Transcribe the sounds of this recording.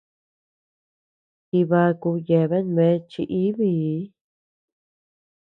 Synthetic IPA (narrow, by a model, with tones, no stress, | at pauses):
ki˧βa˧ku˧je˧˨βe˦nmẽ˦˧˦t͡ʃi˧ʔi˦βi˦˧˦